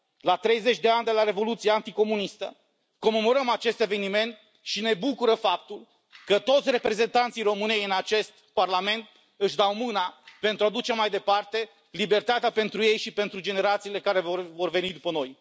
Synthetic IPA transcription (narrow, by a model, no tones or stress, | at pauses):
lat̪ɾe̞jze̞t͡ʃʲd̪e̞and̪e̞laɾe̞vo̞lut̪sijeant̪iko̞munist̪ə̰ | ko̞me̞mo̞ɾəmat͡ʃe̞st̪e̞ve̞nime̞nt̪ | ʃine̞bukuɾəfap̚t̪ul | kət̪o̞t̪sʲre̞pɾe̞ze̞nt̪ant̪sijro̞mɨne̞jɨnat͡ʃe̞st̪parlame̞nt̪̚ | ɨʃd̪awmɨnape̞nt̪ɾuad̪ut͡ʃe̞majd̪e̞part̪e̞ | libe̞rt̪at̪eape̞nt̪ɾuje̞jʃipe̞nt̪ɾud͡ʒe̞ne̞ɾat̪siːle̞kaɾe̞vovo̞rve̞nid̪upəno̞j